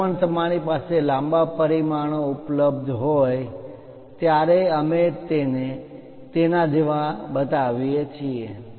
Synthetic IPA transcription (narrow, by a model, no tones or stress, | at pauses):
əɳt̪əmaɽ̃ipaselãmbapəɾimaɳ̃oupləbd̪ʱɦoj | t̪jaɾeəmet̪ene | t̪enad͡ʒeʋãbət̪aʋijet͡ʃʰie